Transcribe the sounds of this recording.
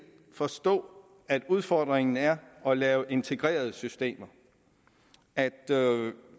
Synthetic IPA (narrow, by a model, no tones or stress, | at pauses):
fɒ̽sd̥ɔ̰̽ː | æd̥uð̞ˠfɒd̥ʁeŋn̩æɐɒ̽lɛːʊʔe̝nt͡sʰe̝ɡ̥ʁḛːɐð̞ˠsysd̥e̝̰ːmɐ | æd̥